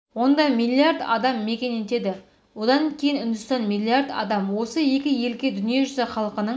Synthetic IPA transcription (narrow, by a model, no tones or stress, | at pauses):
wo̞nd̪ɑmijlʲːiaɾd̪ɑ̰d̪ɑmːe̞kʲe̞net̪e̞d̪ɪ | wo̞d̪ɑŋkʲʰe̞jɪnɪnd̪ʊst̪ɑnmilʲˠːiard̪ɑ̰d̪ɑmwo̞səje̞kʲɪje̞lkʲed̪ʏnijeʒʏzɪχɑlˠəqənəɴ